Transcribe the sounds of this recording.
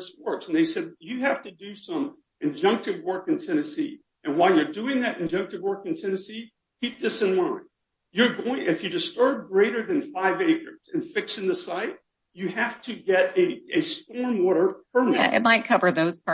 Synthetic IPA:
swɜ˞k̚n̩ðeɪsɛd̚jɨhæftɨdɨsʌ̃m | ʔɨ̃nd͡ʒʌ̃ŋk̚tɨvwɜ˞kɨ̃ntʰɛñɨsi | ʔɨ̃nwaɪlˠjə˞dʉɪ̃ŋðɨɾɨ̃nd͡ʒʌ̃ŋk̚tɨvwɜ˞kɨ̃n̩tʰɛnɨsi | kʰip̚ðɪsɨ̃nlãɪ̃n | jə˞ɡoʊɪ̃ŋʔɨfjɨdɨstɜ˞b̚ɡɹeɪɾə˞ðɨ̃nfaɪveɪkə˞z̥ɨ̃nfɪksɨ̃nðɨsaɪt̚ | ɨhæftʰɨɡɛɾɨɨstɔɹmwɔɾə˞pʰɜ˞n̰ʔɪ̰t̚maɪt̚kʰʌvə˞ðoʊz̥p

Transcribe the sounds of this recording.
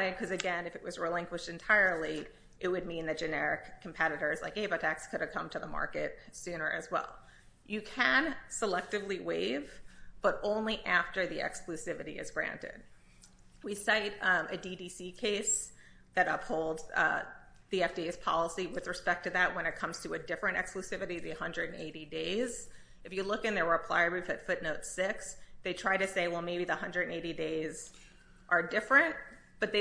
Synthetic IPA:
ɨd̚kʰʌzɨɡɛ̃nɨfɨʔ̚wʌzɹilɪ̃ŋkwɨʃtɨ̃ntʰaɪə˞lˠi | ʔɨt̚wɨd̚mĩnðɨt̚d̥ʒ̥ɨnɛɹɨ̰kʰːm̩pʰɛɾɨɾə˞ɨz̥la̰ɪkheɪbətʰækskʰʊɾɨv̥kʰʌ̃mtʰɨðəmɑ̰ɹkɨt̚sʉ̃nə˞ʔɨzwɛ̰lˠ | jɨkʰɨ̃nsəlɛk̚tɨvliweɪv̥b̥ʌɾõʊ̃nliʔæftə˞ðiɛ̰ksklʉsɪvɨɾḭɨ̰zɡɹæ̰̃ntɪ̰d̚ | wisaɪɾɨdidisikʰeɪs | ðɨɾʌphoʊlˠdzʌ̰ | ðiɛfd̥ieɪz̥pʰɑ̰lˠəsiwɨðɹɨspɛk̚tʰɨðɨt̚wə̃nɨt̚kʰʌ̃mz̥tʰɨɨdɪfɹɨ̃ntɛ̰ksklʉsɪvɨɾiðɨhʌ̃ndɹɨɾɨ̃nḛɪɾideɪz̥ | ɨfjɨlʊkɨ̃nðə˞əpʰl̥a̰ɪə˞ɹifɨtfʊtⁿnoʊtsɪksðeɪtʰɹ̥aɪɾɨseɪwɛlˠmeɪbiðəhʌ̃ndɹɨ˞ɾɨ̃neɪɾideɪz | ʔə˞dɪfɹɨ̃nt | b̥ʌt̪̚ðeɪ

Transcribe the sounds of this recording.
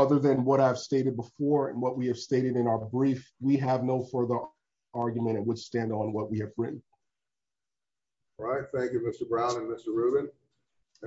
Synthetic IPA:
ʌðə˞ðɨ̃nwʌɾaɪv̥steɪɾɨd̚bəfɔɹɨ̰̃nwʌt̚wiɨv̥steɪɾɨɾɨ̃naʊə˞bɹifwiəvnoʊfɜ˞ðə˞ | ɑɹɡjʉmɨ̃ɾ̃ɨ̃nwəd̥stæ̃ndn̩wʌt̚wiɨvɹɪ̃n | ɹaɪt̚θæ̃ŋkjʉmɪstə˞bɹãʊ̃nɨ̃nmɪstə˞ɹʉbɨ̃n

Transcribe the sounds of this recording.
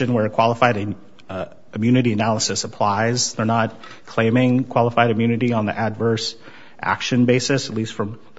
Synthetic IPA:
ɨ̃nwə˞kʰw̥ɑlˠəfaɪɾ | mjʉnɨɾiɨnælˠəsɨsəpʰl̥aɪzðə˞nət̚ | kʰl̥ẽɪ̃mɪ̃ŋkʰw̥ɑlˠəfaɪɾɨmjʉnɨɾiə̃nðḭʔɨdvɜ˞s | ʔæ̰kʃɨ̃nbeɪsɨsətˡlistfɹʌ̃m

